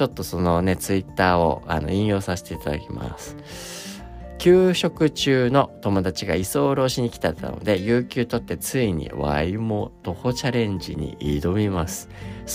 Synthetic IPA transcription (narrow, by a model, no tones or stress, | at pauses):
o̞t̪ːo̞so̞no̞ne̞t͡sɨit̪ːaːo̞a̰no̞̰ĩjo̞ːsaɕe̥t̪e̞it̪ad̪akʲima̰sɨ̥ | kʲɨːɕo̞kɯ̟t͡ɕɨːno̞t̪o̞mo̞d̪at͡ɕiɡaiso̞ːɾo̞ːɕiɲ̟ikʲi̥t̪at̪ːa̰no̰d̪e̞jɯːkʲɨːt̪o̞t̪ːe̞t͡sɨiɲ̟ḭβa̰imot̪o̞ho̞t͡ɕaɾẽ̞ɲd͡ʑḭɲ̟ḭʔid̪o̞mʲimasɨ̥